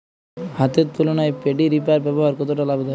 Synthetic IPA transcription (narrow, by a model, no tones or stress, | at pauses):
hat̪et̪̚p̪ulonajpeɖiɾipaɾbɛboɦaɾkɔt̪̬oʈalabed̪a